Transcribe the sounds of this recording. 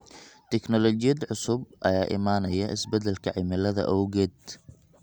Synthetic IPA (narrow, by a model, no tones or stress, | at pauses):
t̪ʰɛknɔlɔt͡ʃɪjɐd̪ʕʊsʊb̚ʔɐjaːʔɪ̰maːnɐjɐʔɪ̰sbɛd̪ɛlkʰɐʕɪmɪlɐðɐ̰ʔɐwɣɛːd̪